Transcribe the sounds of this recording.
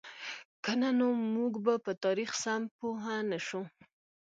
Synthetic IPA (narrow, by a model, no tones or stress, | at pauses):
kananomuɡbapət̪ɑɾixsampoɦanaʃu